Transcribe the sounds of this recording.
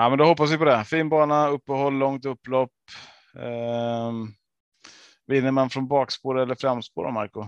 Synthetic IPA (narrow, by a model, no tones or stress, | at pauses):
amɛnd̪ʊhɔpːas̬vɪpɔd̪ɛfiːnbɑːnaɵpːəɦɔlːɔŋt̪ɵpːlɔpː | vɪn̪ːəɾmanfɾɔnbɑːkspoːɾɛlːəɾfɾamspo̰ːɾa̰ma̰ɾkʊ